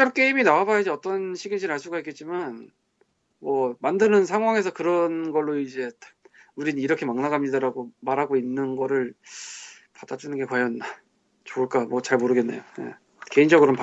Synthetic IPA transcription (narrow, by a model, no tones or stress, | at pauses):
t͡ɕ͈ak͈e̞iminawabajd͡ʑeʌt͈ʌnɕʰiɡind͡ʑiɾaɭs͈uɡaik͈e̞t̚t͡ɕ͈iman | mwʌmandɯnɯnsʰaŋɦwaŋe̞sʰʌkɯɾʌnɡʌɭːoid͡ʑe̞tuɾinɯniɾʌkʰe̞maŋnaɡamɲidaɾaɡomaɾɦaɡoinːɯnɡʌɾɯɭ | padad͡ʑ͈unɯnɡe̞kwajʌn | t͡ɕoɯɭk͈amwʌt͡ɕaɭmoɾɯɡe̞nːe̞̰joje̞̰ | ke̞ind͡ʑʌɡɯɾʌnp